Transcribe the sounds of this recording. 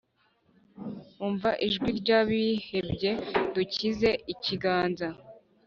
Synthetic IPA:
uːɱvaʔiʒɡwiɾɟaβihe̞bɟe̞ducize̞ʔiciɡaːnza

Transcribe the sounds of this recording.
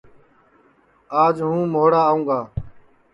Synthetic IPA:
aːd͡ʒɦũːmoːɽaːũːŋɡaː

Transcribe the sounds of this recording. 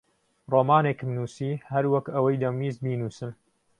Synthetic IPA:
roːmaːnekmnuːsiːhɐɾwɐkɐwɐjd̪ɐmmiːzbiːnuːsɨn

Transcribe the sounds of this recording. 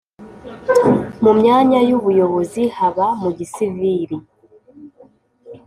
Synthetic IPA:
mumɲaːɲajuβujo̞βo̞zihaβamuɟisiviɾi

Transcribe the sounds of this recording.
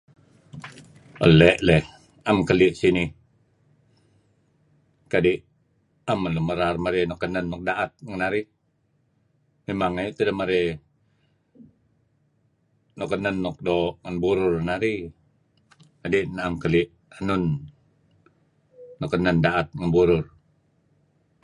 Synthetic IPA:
ʔə̰lɛʔlɛh | amkəliʔsinih | kadiʔ | aməluməɾarmaɾinɔkːənənːɔk̚daʔat̪̚ŋənaɾi | memaŋet̪ədəməɾɛ | nɔkənənːɔk̚doʔŋənbuɾʊrnaɾi | kadiʔnamkəliʔ | hənun | ɔkːənəndaʔat̪̚ŋənbuɾʊr

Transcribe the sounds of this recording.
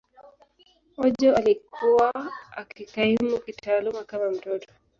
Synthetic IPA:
ɔʄɔalikʰuwaakikaimukitaːlumakamam̩dɔtɔ̥

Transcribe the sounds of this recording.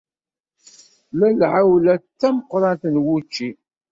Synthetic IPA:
lælʕawlæt͡sːæməqːɾˤɑnt̪nwut͡ʃːi

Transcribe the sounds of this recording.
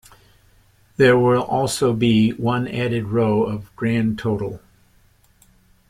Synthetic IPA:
ðə˞wɪlˠʔɔlˠsoʊbiwʌ̃næɾɨd̚ɹoʊʌvɡɹæ̃ntʰoʊɾl̩ˠ

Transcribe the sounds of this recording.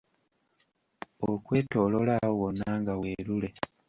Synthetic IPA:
okwe̞ːto̞lo̞laowonːaːŋɡaweːɾule̞

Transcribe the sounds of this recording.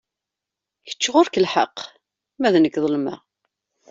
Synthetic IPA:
çə̥t͡ʃːʁoɾkəlħə̰qː | mæðnəkːðˤəlmæ̰

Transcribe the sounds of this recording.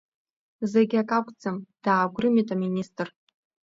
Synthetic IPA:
zeɡʲakʼakʷʼd͡zamd̥aːɡʷrɨmitʼaministʼr

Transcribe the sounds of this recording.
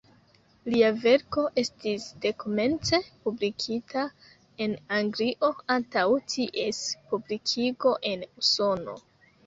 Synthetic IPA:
liave̞ɾko̞ʔe̞stisde̞ko̞me̞nt͡se̞publikʰitʰa | e̞naŋɡliʔo̞antawtʰiʔe̞spublikʰiɡo̞ʔe̞nuso̞no̞̰

